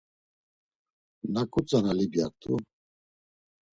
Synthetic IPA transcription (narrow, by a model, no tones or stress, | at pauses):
nakʼut͡sʼanalibjat̪ʼṵ